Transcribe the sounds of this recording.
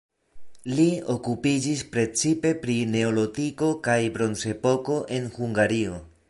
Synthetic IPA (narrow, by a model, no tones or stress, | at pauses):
lio̞kupid͡ʒispɾe̞t͡sipe̞pɾine̞olo̞tiko̞kajbɾo̞nse̞po̞ko̞ʔe̞nhuŋɡaɾio̞